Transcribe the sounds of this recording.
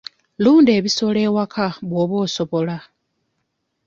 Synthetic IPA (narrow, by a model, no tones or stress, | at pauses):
luːnde̞ːβiso̞le̞wakʰaβwoːβo̞ːso̞βo̞la